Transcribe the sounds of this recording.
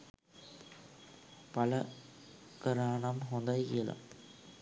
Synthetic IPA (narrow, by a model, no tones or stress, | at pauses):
pɐlɐ | kɐɾaːɳɐmɦɔnd̪ɐɪḭlɐ̰m